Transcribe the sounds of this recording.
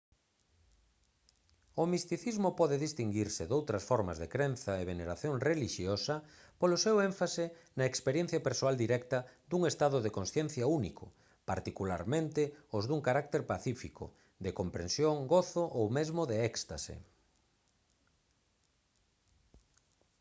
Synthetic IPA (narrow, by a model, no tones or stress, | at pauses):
ʊmist̪iθizmʊpɔðɪðist̪iŋɡiɾsɪðowt̪ɾɐsfɔɾmɐ̰zðekɾenθɐeβeneɾaθjoŋreliʃjosɐ | polʊsewẽɱfasɪnɐekspeɾjẽn̟θjapeɾsoald̪iɾɛkt̪ɐd̪uŋest̪aðʊðekonsθjɛnθjaunikʰʊ̰ | pa̰ɾt̪ikula̰ɾmẽnt̪ɪʊzðuŋkaɾak̚t̪eɾpaθifikʊ̰ | d̪ekompɾẽnsjoŋɡoθʊʔowmezmʊðeɛkst̪a̰sḛ